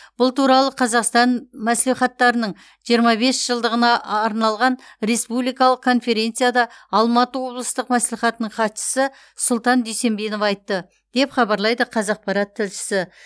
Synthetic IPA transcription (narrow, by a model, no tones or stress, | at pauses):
b̥ʊlˠt̪uɾɑlˠəqʰɑzɑqst̪ɑnmæsliχɑt̪ːɑɾənəɴ | ʒijəɾmɑbe̞sʒ̥əlˠd̪əʁənɑːɾnɑlˠʁɑnɾe̞spublijkɑlˠəq̚kʰːo̞nfe̞ɾʲe̞nt̪sɨjad̪ɑɑlˠmɑt̪əwo̞blˠəst̪əqmæsliχɑt̪ənəɴqʰɑt̪ʃə̥sə | sʊlˠt̪ɑnd̪ejse̞mbe̞no̞fɑjt̪ːə | d̪̥e̞pχɑbɑɾlˠɑjd̪əqʰɑzɑq̚pɑɾɑt̪ʰːɪlʃɪ̥sɪ